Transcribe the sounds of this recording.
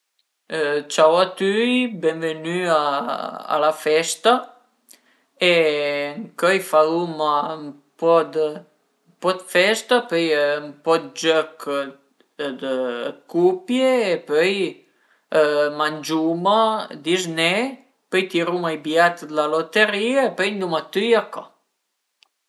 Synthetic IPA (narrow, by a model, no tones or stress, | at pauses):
t͡ʃawat̪yjbɛnvənyaa̰lafɛst̪a | ɛŋkɔjfalumam | pɔd̪ə | mpɔd̪fɛst̪apœjmpɔd̪d͡ʒøk | d̪əkupjeːpøj | mand͡ʒumad̪iznɛ | pøjt̪iɾumajbjat̪d̪əlalot̪əɾiaepœjnd̪umat̪yjakɔ